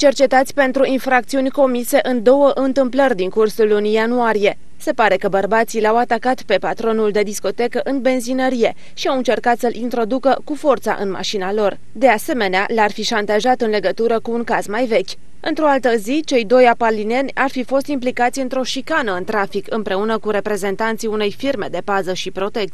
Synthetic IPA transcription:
t͡ʃe̞rt͡ʃe̞t̪at̪sʲpe̞nt̪ɾuinfɾak̚t̪siunʲko̞mise̞ʔɨnd̪o̞wəʔɨnt̪ɨmplərʲd̪iŋkursulːunijanuaɾije̞ | se̞paɾe̞kəbərbat̪sileawat̪akat̪pe̞pat̪ɾo̞nuld̪e̞d̪isko̞t̪e̞kəʔɨnbe̞nzinəɾije̞ | ʃiawɨnt͡ʃe̞rkat̪səlʔint̪ɾo̞d̪ukəkufo̞rt̪sa̰ʔɨnma̰ʃinalo̞r | d̪e̞ase̞me̞nea̰larfiʃant̪aʒat̪ɨnle̞ɡət̪uɾəkuːŋkazmajve̞kʲ | ɨnt̪ɾo̞alt̪əzit͡ʃe̞jd̪o̞japəlːine̞nʲarfifo̞st̪implikat̪sʲɨnt̪ɾo̞ʃikanəɨnt̪ɾafikɨmpɾe̞unəkuɾe̞pɾe̞ze̞nt̪ant̪sijune̞jfirme̞d̪e̞pazəʃipɾo̞t̪e̞k̪

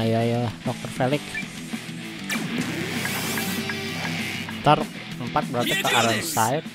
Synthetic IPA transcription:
jajadɔk̚t̪ərfelɪk | t̪ɔrk̚ | əmpat̪̚bəɾat̪əkəʔaɾənsaɪt̪̚

